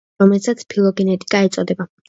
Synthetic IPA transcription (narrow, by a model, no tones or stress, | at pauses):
ɔmɛlsat̪sʰpʰilˠɔɡɛnɛt̪ʼi̥kʼaɛt̪sʼɔd̪ɛba